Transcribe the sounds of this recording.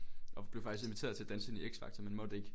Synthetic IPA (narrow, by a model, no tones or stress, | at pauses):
ɒ̽b̥le̝ʊɑ̈ɡ̥ise̝nʋit͡sʰe̝̰ːɐð̩ˠt͡sʰæd̥ænsəenieɡ̥sfɑ̈ɡ̥t͡sʰɒmenmɒ̽d̥eɡ̥